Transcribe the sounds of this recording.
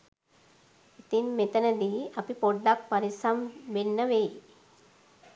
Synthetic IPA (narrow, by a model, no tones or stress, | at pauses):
it̪immet̪ənəd̪iːapipoɖːak̚paɾisamʋenːəʋeji